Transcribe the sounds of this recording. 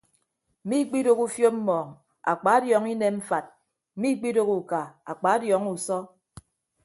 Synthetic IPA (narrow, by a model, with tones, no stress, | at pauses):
m̩˨mi˦k͡pi˦do˦ku˦fjo˦m̩˦mɔː˨ŋ | a̰˨k͡pa˨˦a˦djɔ˨˦ŋi˦ne˦m̩˦fa˨t̚ | m̩˨˦mi˦k͡pi˦do˦ku˨ka˨a˨k͡pa˨˦a˦djɔ˨˦ŋu˨sɔ˦